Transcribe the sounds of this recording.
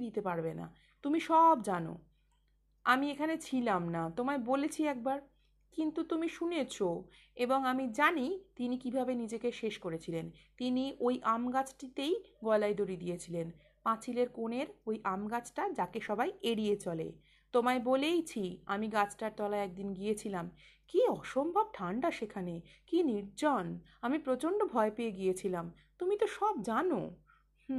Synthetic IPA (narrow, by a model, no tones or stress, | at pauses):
d̪it̪epaɾbena̰ | t̪umiʃɔbd͡ʑano̰ | amiekʰanet͡ɕʰilamnat̪omaebolet͡ɕʰiɛk̚baɾ | kint̪ut̪umiʃunet͡ɕʰo | eboŋamid͡ʑanit̪inikibʱabenid͡ʑekeʃeʃkoɾet͡ɕʰilent̪iniʔojʔamɡat͡ɕʰʈit̪ejɡɔelajd̪oɾid̪ijet͡ɕʰilen | pãt͡ɕʰileɾkoneɾojʔamɡat͡ɕʰʈad͡ʑakeʃɔbajeɽijet͡ɕɔlḛ | t̪omaebolejt͡ɕʰia̰miɡat͡ɕʰʈaɾt̪ɔlaɛk̚d̪inɡijet͡ɕʰilamkiɔʃombʱab̚ʈʰaɳɖaʃekʰanekiniɾd͡ʑɔn | amipɾot͡ɕoɳɖobʱɔepeeɡijet͡ɕʰilam | t̪umit̪oʃɔb̚d͡ʑano̰